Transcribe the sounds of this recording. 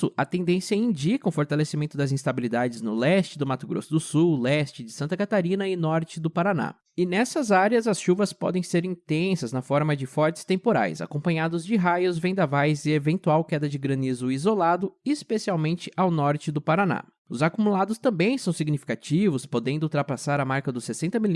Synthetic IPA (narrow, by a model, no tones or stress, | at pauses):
ʊɐt̪ẽnd̪ẽsiɐĩd͡ʒikɐʊfoɾt̪alesimẽnt̪ʊd̪ɐzĩst̪abilid̪ad͡ʒɪznʊlɛst͡ʃɪd̪ʊmat̪ʊɡɾo̰sʊd̪ʊsuwlɛst͡ʃɪd͡ʒɪsɐ̃nt̪ɐkat̪aɾĩnɐɪnɔɾt͡ʃɪd̪ʊpaɾana̰ | ɪnɛsɐzaɾjɐzɐsʃuvɐspɔ̰d̪ẽj̃seɾĩt̪ẽsɐznɐfɔɾmɐd͡ʒɪfɔɾt͡ʃɪ̥st̪ẽmpoɾa̰jza̰kõpɐ̃ɲad̪ʊzd͡ʒɪɦajʊzvẽnd̪avajzɪevẽnt̪uawkɛd̪ɐd͡ʒɪɡɾɐ̃nizʊizolad̪ʊɪspesiawmẽnt͡ʃɪʔawnɔɾt͡ʃɪd̪ʊpaɾana̰ | ʊzakumulad̪ʊst̪ɐ̃mbẽj̃sɐ̃w̃siɡnifi̥kat͡ʃivʊspod̪ẽnd̪ʊuwt̪ɾapasaɾɐmaɾkɐd̪ʊsːesẽnt̪ɐmil